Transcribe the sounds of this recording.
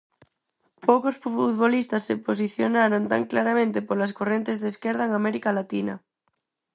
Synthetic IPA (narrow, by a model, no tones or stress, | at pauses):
pʰowkosfuuðβolist̪asːeposiθjonaɾont̪a̰ŋklaɾamẽnt̪epoɾlaskorent̪ezðeskɛɾð̞aeŋamɛɾikalat̪inɐ̰